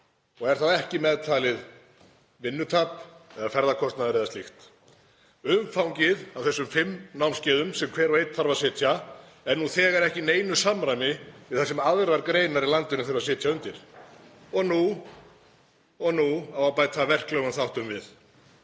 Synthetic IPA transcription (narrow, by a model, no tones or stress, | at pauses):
ɔɣɛɾ̥θaðɛhcɪmɛðt̪ʰaːlɪð | vɪnːʏt̪ʰaːpɛðafɛɾðakʰɔst̪naðaɾeːðast̪ɪxt̪ | ʏmfawŋcɪðavθɛsːʏmfɪmːnawmscɪːðʏmsɛmkʰvɛːɾvejt̪θaɾvaðsɪːt̪ʰja | ɛnːuθɛːɣɛɾɛhcɪneːjnʏsamɾajmɪvɪðθasɪmaðɾvaɾkɾeːjnaɾilant̪ɪnʏfɾvasɪːt̪ʰjaʏnt̪ɪɾ̥ | ɔɣnu | ɔɣnuawvapaːjt̪ʰavɛr̥klœːɣʏnθawht̪ʏmvɪð